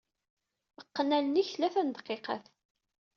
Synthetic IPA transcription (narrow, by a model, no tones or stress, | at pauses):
əqːənæləniçlæθænd̪ˤqːeqɑ̰θ